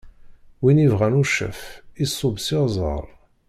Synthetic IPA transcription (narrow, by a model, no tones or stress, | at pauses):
winivʁænuʃə̰fisˤːobsizˤə̰ɾˤ